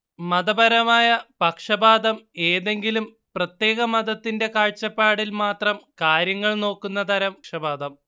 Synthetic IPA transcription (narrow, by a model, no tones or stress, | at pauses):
mɐd̪ɐbɐɾɐmaːjɐpɐkʂɐbaːd̪ɐmeːðe̞ŋɡilum | prɐt̪je̞ːɣɐmɐd̪ɐt̪ːinde̞kaːɻt͡ɕːɐpːaːɽilmaːt̪rɐmkaːɾjɐŋːɐɭno̞ːkːunːɐt̪ʰɐɾɐmʂɐbaːd̪ɐm